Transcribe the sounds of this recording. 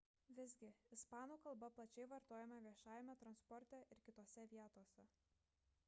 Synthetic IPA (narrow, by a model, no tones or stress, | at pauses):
ʋʲɪzʲɡʲɪɪspɑːnuːkɐlˠbɐplˠɐt͡ʃʲɛɪʋɐɾt̪oːjɛmɐʋʲiɛʃɑːjɛmʲɛt̪ɾɐnspɔɾʲt̪ʲɛʔɪɾkʲɪt̪oːsʲɛʋʲiɛt̪oːsʲɛ